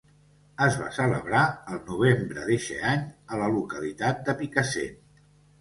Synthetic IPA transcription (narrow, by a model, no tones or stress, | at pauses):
əzβa̰sələ̰βɾaəlˠnuβ̞embɾə̰ðeʃɛ̰aɲələlukəlit̪at̪̚d̪əpikəsḛ